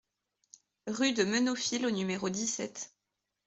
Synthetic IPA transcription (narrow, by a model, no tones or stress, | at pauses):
ʁyd̪əmənofilonymeʁod̪isɛ̰t̪